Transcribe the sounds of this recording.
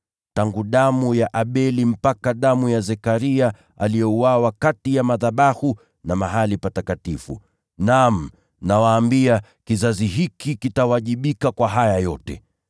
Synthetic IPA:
taŋɡuɗamujaʔaɓɛlim̩pakaɗamujazɛkaɾia | a̰lijɛuwawakatijamaðaɓahu | namaɦalipatakatifṵ | nam̩ | nawaːmbia | kizaziɦikikitawaʄiɓikakwaɦajajɔtɛ̰

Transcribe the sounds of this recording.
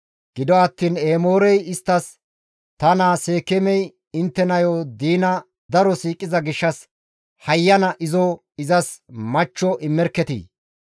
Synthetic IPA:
ɡ̥ɪd̪ɔɐt̪ːiːneːmoːɾɛjɪst̪ːɐs | t̪ɐnaːse̞ːkɛmɛj | ɪnt̪ːɛnɐjoːd̪iːnɐ | d̪ɐɾɔsiːkʼːɪzɐɡɪʃːɐs | hɐjːɐnɐʔɪzɔ | ɪzɐsmɐt͡ʃːɔʔɪmːɛɾkːɛt̪ḭ

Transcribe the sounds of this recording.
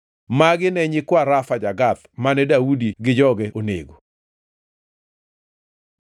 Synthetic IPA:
maɡɪnɛɲɪkwaɾafad͡ʒaɡat̪manɛdaudiɡɪd͡ʒɔɡɛʔonḛɡo

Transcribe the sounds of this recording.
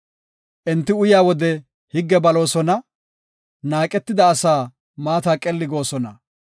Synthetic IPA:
ʔɛnt̪ːɪʊjaːwɔd̪ɛ | hɪɡːɛbɐlo̞ːsɔnɐ | naːkʼɛt̪ːɪd̪ɐːsaː | maːt̪aːkʼɛlːɪɡo̞ːsɔnɐ̰

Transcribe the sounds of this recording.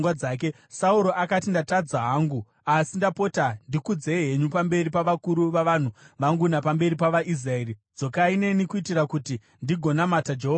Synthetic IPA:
ŋɡwad͡zaːk̬e̞ | sauɾo̞ʔakatindatad͡zaɦaːŋɡu | asindapo̞tandikud͡ze̞ɦeɲupambe̞ɾipaʋakuɾuʋaʋan̤uʋaŋɡunapambe̞ɾipaʋaʔis̬rae̞ːɾid͡zo̞kaine̞nikuitirakuti | ndiɡʱo̞namatad͡ʒeɦoa

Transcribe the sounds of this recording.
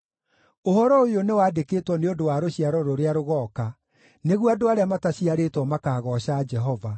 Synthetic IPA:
ohɔɾɔojonewaːdekeːtwɔneondowaɾoɕiaɾɔɾoɾeaɾoɣɔka | neɣwadoaɾeamataɕiaɾeːtwɔmakaːɣɔɕad͡ʒɛɦɔva

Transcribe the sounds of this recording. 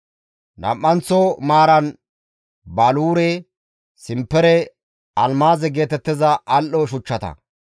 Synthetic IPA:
nɐ̰mːɐnt͡sɔmaːɾɐn | baːluːɾɛ | sɪmpːɛɾɛ | ɐlmaːzɛɡe̞ːt̪ɛt̪ːɪzɐʔɐlʔɔʃ̬ʊt͡ʃːɐt̪ɐ̰

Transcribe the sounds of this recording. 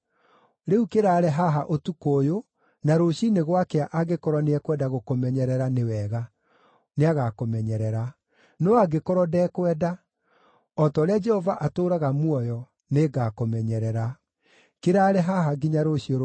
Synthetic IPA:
ɾeukeɾaːɾɛɦaɦaʔotukojo | naɾoɕineɣwakeaʔaɡekɔɾɔneɛkwɛdaɣokomɛɲɛɾɛɾanewɛɣa | neaɣakomɛɲɛɾɛɾa | nɔaɡekɔɾɔdɛːkwɛːda | ɔtɔɾead͡ʒɛhɔvaʔatoːɾaɣamwɔjɔ | neɡakomɛɲɛɾɛɾa | keɾaːɾɛɦaɦaɡiɲaɾoɕioɾ

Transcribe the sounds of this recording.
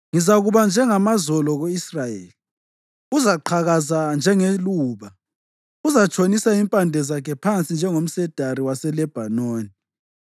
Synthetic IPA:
ŋizaɣuβand͡ʒʱɛŋamazɔlɔɣoisrajḛːli | uzaǃʰaɣazand͡ʒʱɛŋeluːβa | uzat͡ʃʰʼonisaimpʼandʱɛzakʰɛpʰant͡sʼind͡ʒʱɛŋom̩sɛd̥ʱariwasɛlɛb̥ʱanoːni

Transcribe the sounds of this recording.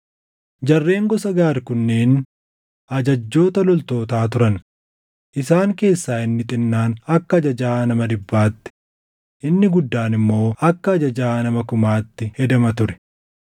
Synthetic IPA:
d͡ʒɐrːe̞ːŋɡɔsɐɡaːɾkʊnːeːn | ʔɐd͡ʒɐd͡ʒːo̞ːt̪ɐlɔlt̪o̞ːt̪aːt̪ʊɾɐn | ʔɪsaːŋke̞ːsːaːɪnːɪt̪ʼɪnːaːnɐkːɐːd͡ʒɐd͡ʒaːnɐmɐd̪ɪbːaːt̪ːɪ̥ | ʔɪnːɪɡʊd̪ːaːnɪmːo̞ːɐkːɐːd͡ʒɐd͡ʒaːnɐmɐkʊmaːt̪ːɪhɛd̪ɐmɐt̪ʊɾɛ̥

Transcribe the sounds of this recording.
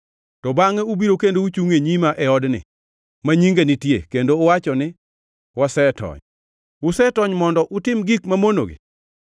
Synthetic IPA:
tɔbaŋɛubiɾokendout͡ʃuŋeɲimaʔɛɔdnɪ̰ | maɲiŋɡenɪtjḛkendoːwat͡ʃɔnɪ | wasɛtɔ̰ɲ | ʊsɛtɔɲmɔndɔʔʊtɪmɡikmamono̰ɡḛ

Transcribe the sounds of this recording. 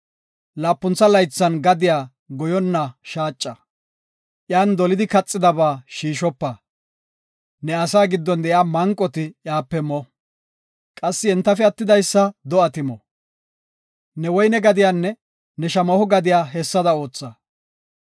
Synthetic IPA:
laːpːʊnt͡sːɐlɐjt͡sːɐnɡɐd̪ɪjaː | ɡɔjɔnːɐʃaːt͡ʃʼːɐ | ʔjaːnd̪ɔlɪd̪ɪkɐt͡sʼːɪd̪ɐbaːʃiːʃɔpːɐ | nɛɐsaːɡɪd̪ːɔnd̪ɛjaːmɐŋkʼːɔt̪ɪjaːpːɛmɔ | kʼɐsːɪɛnt̪ːɐfɛɐt̪ːɪd̪ɐjsːɐd̪ɔɐt̪ɪmɔ | nɛwɔjnɛɡɐd̪ɪjaːnːɛ | nɛʃɐmɐhʊɡɐd̪ɪjaːɦɛsːɐd̪ɐo̞ːt͡sːɐ

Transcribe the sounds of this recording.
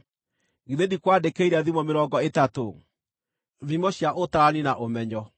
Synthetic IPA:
ɣiðedikwadekeiɾaðimɔmeɾɔɡɔetato | ðimɔɕjaʔotaɾaninaʔomɛɲɔ

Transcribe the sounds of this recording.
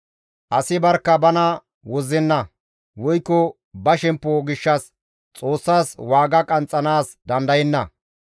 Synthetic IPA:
ʔɐsɪbɐɾkːɐbɐnɐ | wɔzːɛnːɐ | wɔjkːɔ | bɐʃɛmpːoɡɪʃːɐs | t͡sʼo̞ːsːaːswaːɡɐkʼɐnt͡sʼːɐnaːsd̪ɐnd̪ɐjɛnːɐ

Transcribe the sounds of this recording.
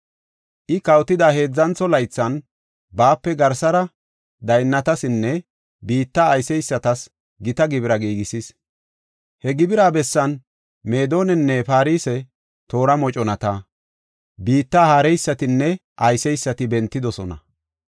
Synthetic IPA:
ʔɪkɐwt̪ːɪd̪aːhe̞ːd͡zːɐnt͡sɔlɐjt͡sːɐn | baːpːɛɡɐɾsɐɾɐ | d̪ɐjnːɐt̪ɐsɪnːɛ | biːt̪ːaːjsɛjsːɐt̪ɐs | ɡɪt̪ɐɡɪbɪɾɐɡiːɡɪsis | hɛɡɪbɪɾaːbɛsːɐn | me̞ːd̪o̞ːnɛnːɛfaːɾiːsɛ | t̪o̞ːɾɐmɔt͡ʃʼɔnɐt̪a | biːt̪ːaːhaːɾɛjsːɐt̪ɪnːɛʔɐjsɛjsːɐt̪ɪbɛnt̪ːɪd̪ɔsɔnɐ̰

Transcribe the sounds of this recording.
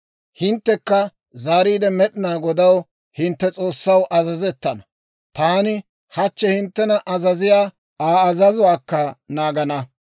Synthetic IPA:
hɪnt̪ːɛkːɐ | zaːɾiːd̪ɛmɛɗɪnaːɡɔd̪ɐw | hɪnt̪ːɛt͡sʼo̞ːsːɐwʔɐzɐzɛt̪ːɐnɐ | t̪aːnɪ | hɐt͡ʃːɛhɪnt̪ːɛnɐʔɐzɐzɪjaː | aːɐzɐzʊwaːkːɐnaːɡɐnɐ

